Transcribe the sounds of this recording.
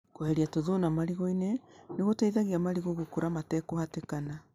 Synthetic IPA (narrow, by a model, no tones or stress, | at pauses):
kohɛɾiatoðonamaɾiɣoineneɣotaiðaɣiamaɾiɣoɣokoɾamatɛkohatekana